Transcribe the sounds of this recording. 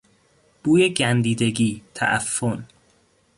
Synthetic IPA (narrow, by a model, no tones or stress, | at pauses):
b̥uːjeɟænd̪iːd̪e̞ɡiːt̪ʰæ̰ʔæ̰fːon